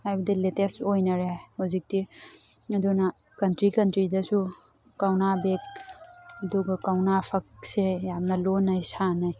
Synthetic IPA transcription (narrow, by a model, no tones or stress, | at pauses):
ajbɐdiletestojnɐɾehuzik̚ti | ɐdunɐ | kɐntɾikɐntɾidɐsu | kawnabek̚ɐduɡɐkawnapʰɐk̚sejamnɐlonɐjsanɐj